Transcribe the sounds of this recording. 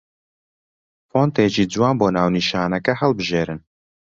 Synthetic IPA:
foːnt̪eːd͡ʒiːd͡zuwaːnboːnaːwniːʃaːnɛkɛhɛlbɨʒeːɾɨn

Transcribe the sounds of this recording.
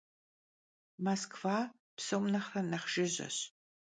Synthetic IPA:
mɐskv̥aː | psomnɐχrɐnɐχʒ̥ɪʑɐ̰ɕ

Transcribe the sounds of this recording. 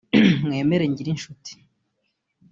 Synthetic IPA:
mŋe̞ːme̞ɾe̞ɲɟiɾinʃuti̥

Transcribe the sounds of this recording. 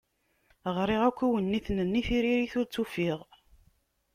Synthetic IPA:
ʁɾˤiʁækʷːiwənːiθnənːiθiɾiɾiθʊɾt͡sːufiʁ

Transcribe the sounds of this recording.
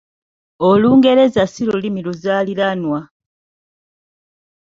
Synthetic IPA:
oluːŋɡe̞ɾe̞zasilulimiluzaːliɾanwa

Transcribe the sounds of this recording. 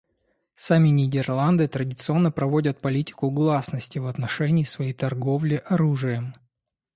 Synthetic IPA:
samʲɪnʲɪdʲɪrlˠand̪ɨt̪ɾədʲɪt̪sɨo̞nːəpɾɐvo̞dʲət̪̚pɐlʲitʲɪ̥kʊɡlˠasnəsʲtʲɪvɐt̪nɐʂɛnʲɪːsvɐjejt̪ɐrɡo̞vlʲɪʔɐɾuʐɨjə

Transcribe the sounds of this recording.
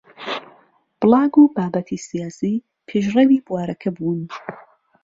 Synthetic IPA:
b̥lˠɑːɡubaːbɐt̪ʰisijaːsiː | pʰeʒrewiːbwaːɾɐkʰɐbuːn

